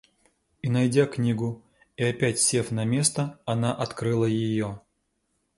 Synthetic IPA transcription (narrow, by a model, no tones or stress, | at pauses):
inɐjdʲaknʲiɡʊ | iɐpʲætʲsʲe̞fnɐmʲe̞st̪əɐnaʔɐt̪kɾɨlˠəjɪjo